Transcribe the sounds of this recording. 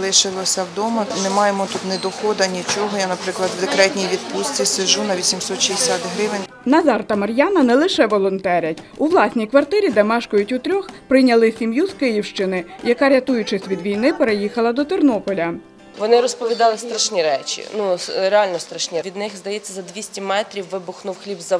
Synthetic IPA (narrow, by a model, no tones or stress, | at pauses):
lˠɪʃɪlˠɔsʲɐwd̪ɔmɐnɪmɑjemɔt̪ut̪nɛd̪ɔxɔd̪ɐnʲit͡ʃɔɦɔjanɐpɾɪklˠɐd̪wd̪ekɾɛt̪ʲnʲijʋʲid̪pust͡s̪ɪsɪʒunɐʋʲisʲimsɔt̪ʃiɪsʲat̪ɦɾɪʋɪnʲ | nɐzɑrt̪ɐmɐɾʲjɑnɐnɛlˠɪʃɛʋɔlˠɔnt̪ɛɾʲɐtʲuʋlˠɑsʲnʲijkʋɐrt̪ɪɾʲid̪ɛmɑʃkɔjʊtʲʊt̪ɾʲɔxpɾɪjnʲɐlˠɪsʲimjuz̥kɪjiwʃt͡ʃɪnɪjɐkɑɾʲɐt̪ujʊt͡ʃɪsʲʋʲid̪ʋʲijnɪpeɾejixɐlˠɐd̪ɔt̪ɪrnɔpɔlʲɐ | ʋɔnɪɾɔspɔʋʲid̪ɑlˠɪst̪ɾɐʃnʲiɾɛt͡ʃʲḭnuɾeɑlʲnɔst̪ɾɐʃnʲiʋʲid̪nɪxzd̪ɐjɛt͡sʲːɐzɐd̪ʲʋʲisʲtʲimɛt̪ɾʲiwːɪbʊxnʊwxlʲibzɐ